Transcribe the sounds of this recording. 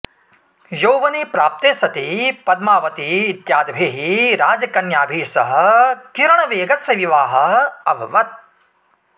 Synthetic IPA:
joːʋɐniːpɾaːp̚t̪eːsɐt̪ipɐd̪̚maːʋɐt̪iːt̪jaːd̪ɐbʱeːɦiɾaːd͡ʒɐkɐnjaːbʱiːsɐɦɐ̆kiɾɐɳɐʋeːɡɐsjɐʋiʋaːɦɐ̆ɐbʱɐʋɐt̪̚

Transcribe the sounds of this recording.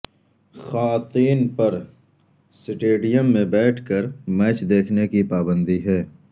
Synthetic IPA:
xaːt̪iːnpɐɾ | sɪʈeːɖijəmːẽbɛːʈʰkəɾmɛːt͡ʃd̪eːkʰnekipaːbə̃nd̪iɦɛː

